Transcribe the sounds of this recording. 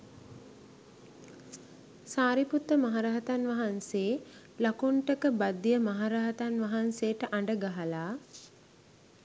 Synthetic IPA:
saːɾiput̪ːəmaɦaɾaɦət̪anʋɐɦanseː | lakuɳʈəkəbad̪ːijəmɐɦaɾaɦət̪anʋɐɦansejəʈəʔaɳɖəɡaɦalaː

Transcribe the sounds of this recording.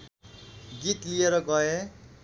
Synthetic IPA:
ɡit̪lijeɾʌɡʌe

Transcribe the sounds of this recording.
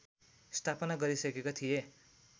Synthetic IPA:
st̪ʰapʌnaɡʌɾisʌkekot̪ʰije

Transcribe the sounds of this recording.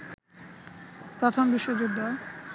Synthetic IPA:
pɾot̪ʰombiʃːod͡ʑod̪ːa

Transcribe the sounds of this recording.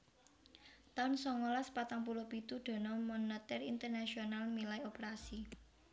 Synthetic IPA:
t̪aʊnsɔŋolaspat̪aŋpulɔpit̪uɖ̪̥ɔ̤nɔmɔnat̪ɛrint̪ərnaʃionalmilaiopeɾasi

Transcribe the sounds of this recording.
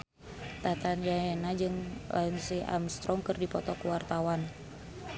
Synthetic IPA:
t̪at̪anjaenad͡ʒɨŋlʔainsia̰mst̪ɾɔŋkɨrdipɔt̪ɔkəwart̪awan

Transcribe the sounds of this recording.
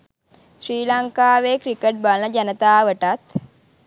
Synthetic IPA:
sɾiːlaŋkaːʋeːkɾikeʈ̚balnəd͡ʒanət̪aːʋəʈat̪

